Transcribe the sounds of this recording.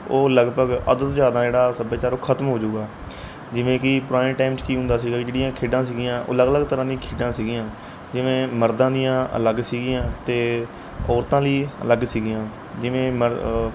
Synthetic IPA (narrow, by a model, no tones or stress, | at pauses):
oːləɡpəɡə̰d̪ət̪d͡ʒjaːd̪ãːd͡ʒeːɽaːsəbeːt͡ʃaːɾoːkʰət̪mɦoːd͡ʒuːɡaː | d͡ʒɪʋẽːkɪpʊɾaːẽːʈaːɪmt͡ʃkiːɦʊ̃nd̪aːs̬iːɡaːkɪd͡ʒeːɽijãːkʰeːɖãːsiːɡɪjãːʔo̰ːləɡələɡt̪əɾãːd̪ijãːkʰeːɖãːsiːɡijãː | d͡ʒɪʋẽːməɾd̪ãːd̪ijãːʔə̰ləɡsiːɡɪjãːt̪eː | ɔːɾt̪ãːliːə̰ləɡsiːɡɪjãː | d͡ʒɪʋẽːmə